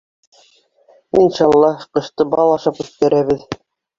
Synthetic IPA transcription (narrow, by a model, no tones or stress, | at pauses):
inʃɑlˠːɑqɤ̆ʃt̪ɤbɑlˠɑʃɑpʉθkæɾʔæβɘð